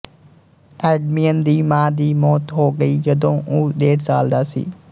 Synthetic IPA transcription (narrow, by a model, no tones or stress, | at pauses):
ɛːɖmiːənd̪iːmãːd̪iːmɔːt̪ɦoːɡəiːd͡ʒəd̪õːʔuːɗeːɽsaːld̪aːsḭː